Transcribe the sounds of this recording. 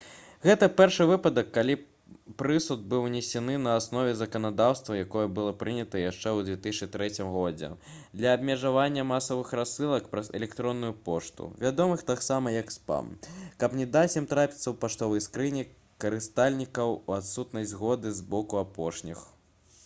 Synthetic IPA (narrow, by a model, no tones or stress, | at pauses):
ɣɛt̪ɐpʲɛrʂɨvɨpɐd̪ɐkːalʲi | pɾɨsud̪̚bɨwnʲɛsʲɛnɨnɐːsnɔvʲɛzɐkɐnad̪awst̪vɐjakɔjɐbɨlˠɔpɾɨnʲɐt̪ɐjaʂt͡ʂɛwdd͡z̪ʲvʲɛt̪ɨsʲt͡ʃt͡ʂɨt̪ɾɛt͡sʲimɣɔd͡zʲɛ̰d̪lʲɐːbmʲɛʐavanʲːɐmasɐvɨxɾasɨlˠɐkpɾɐzɛ̰lʲɛkt̪ɾɔnːujupɔʂt̪ṵvʲad̪ɔmɨxt̪aksamɐjɐkspa̰mkɐpnʲɛd̪asʲimt̪ɾapʲi̥t̪sɐwpaʂt̪ɔvɐjskɾɨnʲi | kɐɾɨst̪alʲnʲikɐwat̪sut̪nɐjʲzɣɔd̪ɨzbɔkuapɔʂnʲḭx